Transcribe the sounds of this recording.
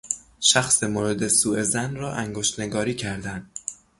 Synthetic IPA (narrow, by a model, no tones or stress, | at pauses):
ʃæxsemoɾed̪esuːe̞zænrɒːʔæŋɡoʃt̪ne̞ɡɒːɾiːcʰæɾd̪ænd̪̥